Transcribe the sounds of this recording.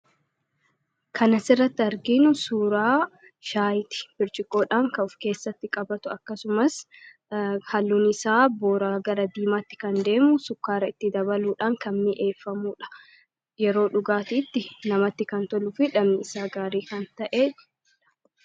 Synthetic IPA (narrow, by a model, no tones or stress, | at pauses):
kɐnɐsɪrːɐt̪ːɪɐɾɡinʊsuːɾaː | ʃaːjɪt̪ɪ̥bɪɾt͡ʃʼɪkʼːo̞ːᶑaːŋkɐʊfke̞ːsːɐt̪ːɪkʼɐbɐt̪ʊɐkːɐsʊmɐs | hɐlːuːnɪsaːboːɾaːɡɐɾɐd̪iːmaːt̪ːɪ̥kɐnd̪e̞ːmʊsʊkːaːɾɐɪt̪ːɪd̪ɐbɐluːᶑaːŋkɐmːɪʔe̞ːfːɐmuːᶑɐ̥ | jɛɾo̞ːᶑʊɡaːt̪it̪ːɪnɐmɐt̪ːɪkɐnt̪ɔlʊfɪᶑɐmnɪɪsaːɡaːɾiːkɐnt̪ɐʔeː | ᶑɐ̥